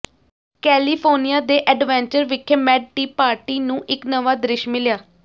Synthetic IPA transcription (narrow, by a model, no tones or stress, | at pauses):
kɛːliːpʰoːnijaːd̪eːʔɛɖʋɛ̃ːɲt͡ʃəɾʋɪkʰːeːmɛːɖ̚ʈiːpaːɾʈiːnũːʔɪknəʋaːd̪ɾɪʃmɪljaː